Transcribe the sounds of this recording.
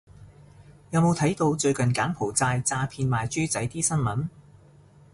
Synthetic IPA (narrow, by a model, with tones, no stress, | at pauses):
jɐ˨˧wmo˨˧wt̪ʰɐ˨˥jt̪o˧wt͡ʃɵ˧ɥkɐ˨nkaː˨˥npʰo˨˩wt͡saː˧jt͡saː˧pʰiː˧nmaː˨jt͡ʃyː˥t͡sɐ˨˥jt̪iː˥sɐ˥nmɐ˨˥n